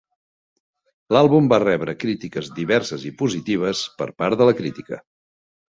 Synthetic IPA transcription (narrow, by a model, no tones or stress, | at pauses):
lalˠβumbarɛβɾəkɾit̪ikəzðiβɛɾsəzipuzit̪iβ̞əspə̰ɾpaɾðələkɾit̪ikə